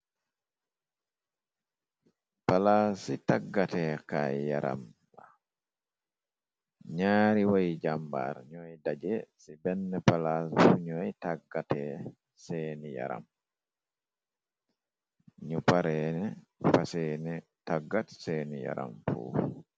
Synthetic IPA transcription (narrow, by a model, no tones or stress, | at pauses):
palasitaɡːatɛka̰jaɾʔa̰m | a | ɲaːɾiwajd͡ʒamba̰ɾɲɔjdad͡ʒɛsibɛnːɛpalasfuɲɔjtaɡːatɛ | seːnija̰ɾa̰m | ɲupaɾɛnɛfasɛnɛ | taɡːatseːnija̰ɾa̰mfṵ